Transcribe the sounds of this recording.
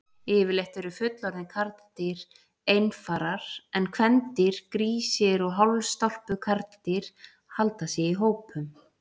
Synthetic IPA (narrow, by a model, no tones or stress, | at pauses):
ɪːvɪɾlejht̪ɛɾʏfʏt̪lɔɾðɪkʰaɾt̪t̪ɪɾ | ejnfaːɾaɾ̥ɛnkʰvɛnt̪ɪɾ̥kɾiːsɪɾɔɣɦɔwlst̪ɔl̥pʏkʰaɾt̪t̪ɪɾ̥ | halt̪asjɛiɦoːwpʰʏm